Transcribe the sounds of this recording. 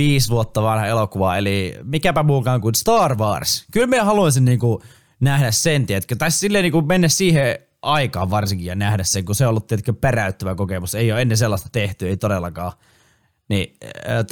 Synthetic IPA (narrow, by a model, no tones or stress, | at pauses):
iːsʋuot̪ːɑʋɑnhɑelokuʋɑelimikæpæmuːkɑːŋkuinst̪ɑːrʋɑːrskylmiehɑluɑisinniːŋku | næhdæssent̪iet̪køt̪ɑissilːeniːŋkumenːæssiːhe | ʔɑikɑːʋʋɑrsiŋkijjɑnæhdæsseŋkuseiolːut̪ːiet̪køperæyt̪ːøʋækokemuseijˑoːenːeselːɑst̪ɑ̥t̪eht̪yeit̪odelːɑkɑː | niːt